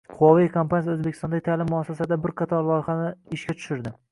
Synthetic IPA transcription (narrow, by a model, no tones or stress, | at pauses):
qʰʊwɒvijkʰompanjɵzbekʲʰɪst̪ɒnd̪aɡʲɪt̪ʰalɪmːʊasasad̪abɪɾqʰɑt̪ʰɒɾlˠɒjɪχanɪɪʃkʲat̪ʰʊ̥ʃɪɾd̪ɪ